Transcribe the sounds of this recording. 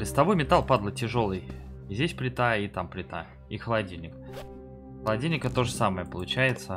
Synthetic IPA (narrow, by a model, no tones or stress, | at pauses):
lʲɪst̪ɐbo̞jmʲɪt̪alˠpad̪lˠətʲɪʐo̞lˠɨjzʲdʲesʲplʲɪt̪ait̪amplʲɪt̪a̰ | ixəlˠɐadʲilʲnʲɪk | xəlˠɐdʲilʲnʲɪkət̪o̞ʐəsaməjəpəlˠʊt͡ɕæjɪt̪sə